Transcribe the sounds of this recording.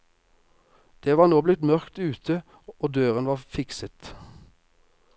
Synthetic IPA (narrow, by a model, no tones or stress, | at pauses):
d̪̥eːʋɑːʁnoːblɪt̪mœʁkt̪ʉːt̪ʰə | oːd̪øːʁənʋɑːʁfɪksət̪